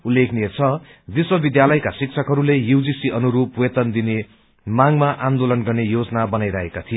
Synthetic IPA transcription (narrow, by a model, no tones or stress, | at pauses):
ulːekʰniet͡sʰʌb̪iswʌbid̪jalʌjkasik̚t͡sʰʌkɦʌɾulejud͡zisiʌnuɾupwet̪ʌnd̪ine | maŋmaʔand̪olʌnɡʌrnejod͡zʌnabʌnajɾʌɦekat̪ʰijo